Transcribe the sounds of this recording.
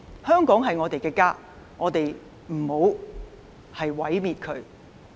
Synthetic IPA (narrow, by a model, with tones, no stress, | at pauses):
hœː˥ŋkɔː˨˥ŋɦɐ˨jŋɔː˨˧t̪e˨jkɛː˧kaː˥ | ŋɔː˨˧t̪e˨j | m̩˨˩ho˨˧w | hɐ˨jwɐ˨˥jmiː˨t̚kʰɵ˨˧ɥ